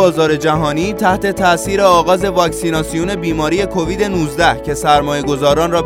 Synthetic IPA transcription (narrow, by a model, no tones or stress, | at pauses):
ɒːzɒːɾe̞d͡ʒæɦɒːniːt̪ʰæht̪e̞t̪ʰæʔsiːɾeɒːɣɒːze̞vɒːcsiːnɒːsijune̞biːmɒːɾiːje̞kʰo̞viːd̪e̞nuzd̪æhcʰe̞sæɾmɒːje̞ɡo̞zɒːɾɒːnrɒː